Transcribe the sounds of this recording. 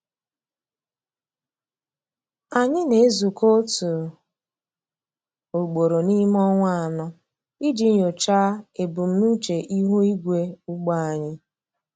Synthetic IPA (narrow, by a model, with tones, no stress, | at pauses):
a˨ɲɪ˦ne˨e˦zu˨ko˦tu˨ | o˨ɡ͡bo˨ɾo˨ni˦m˦ɔ˦ŋʷa˦a˨nʊ˦ | i˦d͡ʒi˦ɲ˨o˨t͡ʃaː˦e˨bu˨m̩˦nu˦t͡ʃe˨ʔi˦ɦu˦i˦ɡʷe˦u˦ɡ͡ba˦a˨ɲɪ˦